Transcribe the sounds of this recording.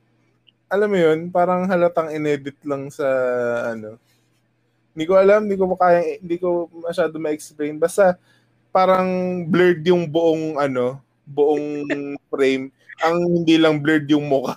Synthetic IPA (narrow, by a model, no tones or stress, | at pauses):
ʔɐlamːojo̞npaːɾɐŋɦɐlɐt̪ɐŋɪnɛːd̪ɪt̪̚lɐŋsɐʔɐno̞ | ɪnd̪iko̞ɐlamd̪iːkopkaːjɐŋnd̪iːko̞mɐʃaːd̪omɐʔɛksplejnbaːst̪ɐ | paːɾɐŋblɛɹd̪jʊŋbʊʔoŋʔɐno̞ | bʊʔoŋfɾejm | ʔɐŋhɪnd̪iːlɐŋblɛɹd̪jʊŋmʊka